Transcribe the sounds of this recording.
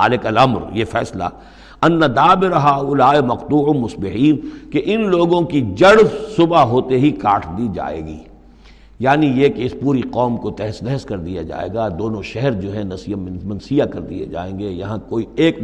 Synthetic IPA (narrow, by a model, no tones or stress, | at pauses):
ɦa̰ːlɪkɐlɐmɾjefɛ̰ːsla̰ː | ɐnːad̪aːbɪɾɦaːʊlaːemɐqt̪uːʊmʊsbɪɦiːnkeʔɪnloːɡõkid͡ʒɐɽbsʊbaɦoːt̪eɦikaːʈʰd̪id͡ʒa̰ːḛːɡḭː | jaːnijekeɪspuːɾiqɔːmkot̪ɛɦɛst̪ɛɦɛskɐɾd̪ija̰d͡ʒa̰ːḛːɡad̪oːnõʃɛɦɛɾd͡ʒoːɦɛ̃nɐsijamɐnsijakɐɾd̪ḭḛd͡ʒa̰ːẽːŋɡejɐɦãkoːieːk